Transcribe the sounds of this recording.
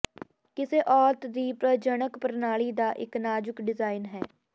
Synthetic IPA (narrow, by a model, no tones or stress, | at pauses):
kɪseːʔɔːɾt̪d̪iːpɾəd͡ʒənəkpəɾnaːɭiːd̪aːʔɪknaːd͡ʒʊkɖɪzaːɪnɦɛː